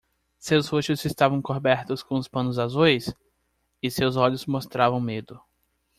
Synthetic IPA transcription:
sewshoʃʊzɪst̪avɐ̃w̃kobɛɾt̪ʊskõʊspɐ̃nʊzazujs | ɪsewzɔʎʊsmost̪ɾavɐ̃w̃med̪ʊ

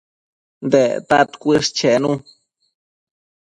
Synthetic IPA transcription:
nd̪et̪at̪kʷiʂ̚t͡ʃenũ

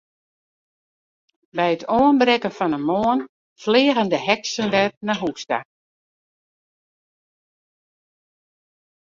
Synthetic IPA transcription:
bɛjətʰoənbrɛkənfɔnənmoən | flɪːɣəndəhɛksəndɛt̚naɦuksta̰

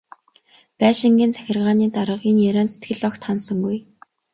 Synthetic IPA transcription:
pæːʃɪ̆ŋɡʲiːnt͡sʰæ̥xʲɪ̆rʁaːniːt̪aɾə̆qiːnjæɾæːnset̪ɡɘ̆ɮɔkt̪ʰχansə̆ŋɡuj

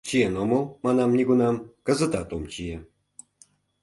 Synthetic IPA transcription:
t͡ɕijenomolˠmɑnɑmnʲiɡunɑmkə̆zə̆t̪ɑt̪omt͡ɕije

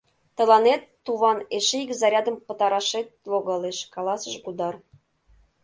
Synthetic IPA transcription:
t̪ə̆lɑnet̪ːuβɑneʃeikzɑɾʲɑd̪ə̆mpə̆t̪ɑɾɑʃet̪̚loɣɑleʃkɑlɑsəʃɡud̪ɑr

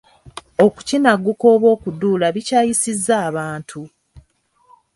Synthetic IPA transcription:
o̞ku̥cinaɡːukoːβwo̞ːkuduːlaβicaːjisizːaːβaːntʰu

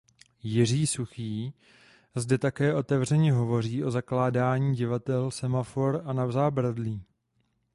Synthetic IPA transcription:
jɪr̝iːsuxiː | zdɛt̪akɛːʔo̞t̪ɛvrɛɲɛɦo̞vo̞r̝iːʔo̞zaklaːdaːɲiːɟɪvat̪ɛlsɛmafo̞ɾanavzaːbɾadliː

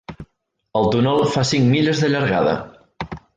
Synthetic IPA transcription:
əlˠt̪unɔlˠfasiŋmiʎəzðəʎəɾɣa̰ðə̰

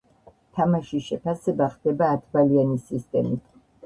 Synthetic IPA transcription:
t̪ʰamaʃiʃɛpʰasɛbaχd̪̥ɛbaːt̪ʰbalianisist̪ʼɛmit̪ʰ

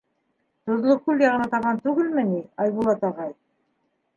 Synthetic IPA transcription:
t̪ŏðlˠokʉljɑʁɤ̆nɑt̪ɑβʁɑnt̪ʉɡɘlmɘniɑjβulˠɑt̪ɑʁɑj

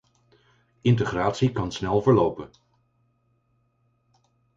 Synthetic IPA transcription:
ɪnt̬əχraːtsikɑnsnɛlˠvəɹlowpən

